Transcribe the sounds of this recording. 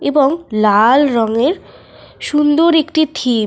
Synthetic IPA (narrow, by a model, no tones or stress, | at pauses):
eboŋlalɾɔŋeɾ | ʃund̪oɾekʈit̪ʰi